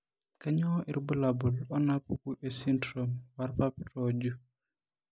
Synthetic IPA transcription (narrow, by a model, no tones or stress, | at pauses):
kaɲɔʔiɾbulabulɔnapukuʔɛsindɾɔmwaɾpapɾɔd͡ʒu